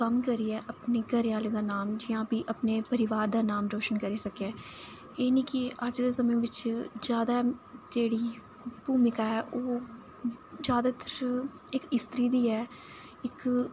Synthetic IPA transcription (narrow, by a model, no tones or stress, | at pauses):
kəmkəɾiɛːʔəpneːɡəɾɪjaːlẽːd̪aːnaːmd͡ʒɪjãːpiːʔəpneːpəɾɪʋaːɾd̪aːnaːmɾoːʃənkəɾiːsəkeɛː | eːnĩːkɪəd͡ʒd̪eːsəmə̃ʋɪt͡ʃd͡ʒjaːd̪aːd͡ʒeːɽiː | puːmɪkaːɛːʔoː | d͡ʒjaːd̪aːt̪əɾɪkɪst̪ɾiːd̪iːɛː | ɪk